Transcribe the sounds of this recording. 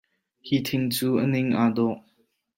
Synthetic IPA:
hit̪ʰɪŋt͡suːʔənɪŋʔaːd̪ɔʔ

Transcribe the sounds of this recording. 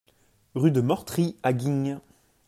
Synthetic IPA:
ʁyd̪əmœʁt̪χiaɡʲiɲ

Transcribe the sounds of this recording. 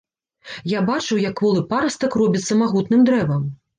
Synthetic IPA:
jabat͡ʂɨwjɐkːvɔlˠɨpaɾɐst̪ɐkrɔbʲit̪sːɐmaɣut̪nɨmd̪ɾɛvɐm

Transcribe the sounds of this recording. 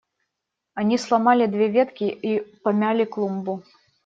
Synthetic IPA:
anʲislˠamalʲid̪vʲɛvʲɛt̪kʲiipamʲalʲiklˠumbu

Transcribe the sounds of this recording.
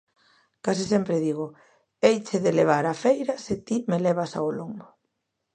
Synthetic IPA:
kas̬isɛmpɾɪðiɣ̞ʊ | ejt͡ʃeðeleβ̞aɾafejɾɐsɪt̪imelɛβ̞asa̰olombʊ

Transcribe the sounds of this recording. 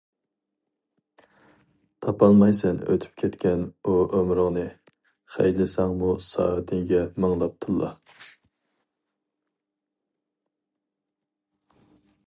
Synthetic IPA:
t̪ʰɑpɑlˠmɑjsɛnø̰t̪ʰy̥p̚kʲʰɛt̪kʲɛnuʔømɾɨŋnɨ | χɛ̰jlɪsɑŋmusɑ̰ːt̪ʰɪŋɡʲɛməŋlˠɑp̚t̪ʰɨlˠːʔɑ̰

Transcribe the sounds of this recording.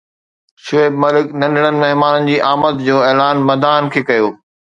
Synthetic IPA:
ʃʊeːbmɐlɪknɐ̃nɖʱɽənɪ̆mɐɦmaːnənɪ̆d͡ʑiːʔaːmət̪d͡ʑoːeːlaːnmɐd̪aːnkʰeːkɐjoː

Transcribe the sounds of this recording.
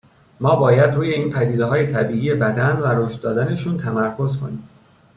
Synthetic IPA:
mɒːbɒːjæd̪ɾuːjeiːnpʰæd̪iːd̪eɦɒːje̞t̪ʰæbiːʔiːje̞bæd̪ænvæɾoʃt̪̚d̪ɒːd̪æne̞ʃuːnt̪ʰæmæɾkʰo̞zkʰo̞̰niːm

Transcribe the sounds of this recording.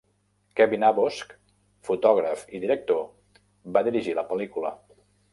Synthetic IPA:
kɛβinaβosk | fut̪ɔɣɾəfiðiɾək̚t̪o | baðiɾiʒiləpəlikulə̰

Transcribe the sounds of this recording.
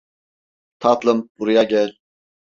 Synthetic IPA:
t̪ʰɑt̪lˠɯmb̥uɾujaɟɛlʲ

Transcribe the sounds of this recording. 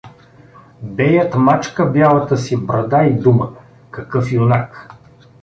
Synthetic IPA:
bɛjət̪mat͡ʃkəbʲjalˠɐt̪əsibɾɐd̪aid̪umə | kɐkɤfionak

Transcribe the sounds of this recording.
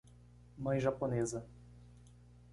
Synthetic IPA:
mɐ̃j̃ʒaponezɐ

